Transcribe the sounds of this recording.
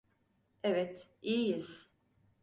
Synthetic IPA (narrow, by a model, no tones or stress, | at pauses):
ɛvɛt̪iːjiz̥